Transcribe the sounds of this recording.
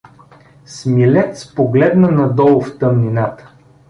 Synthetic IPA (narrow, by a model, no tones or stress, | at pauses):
smilɛt̪spoɡlɛd̪nənɐd̪ɔlˠft̪əmninat̪ə̥